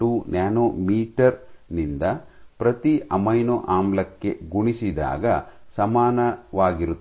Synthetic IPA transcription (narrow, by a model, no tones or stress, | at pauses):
uːnaːnoːmiːʈɐɾnind̪ɐpɾɐt̪iʔɐmɐjnoʔaːmlɐkːe̞ɡuɳisid̪a̰ːɡɐsɐmaːnɐʋaːɡiɾut̪ː